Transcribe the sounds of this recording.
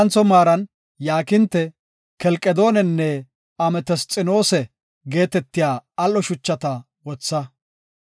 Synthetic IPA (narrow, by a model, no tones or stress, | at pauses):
nt͡sɔmaːɾɐn | jaːkɪnt̪ːɛ | kɛlkʼɛd̪o̞ːnɛnːɛ | ɐmɛt̪ɛst͡sʼɪno̞ːsɛ | ɡe̞ːt̪ɛt̪ːɪjaːɐlːɔʃʊt͡ʃːɐt̪ɐ | wɔt͡sːɐ